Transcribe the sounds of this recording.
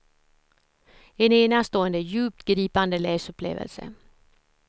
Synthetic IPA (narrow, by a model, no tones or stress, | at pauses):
ɛneːnast̪oːənd̪əjʉ̟ːp̚t̪ɡɾiːpand̪əleːsɵpʰlḛːvə̰lsə̰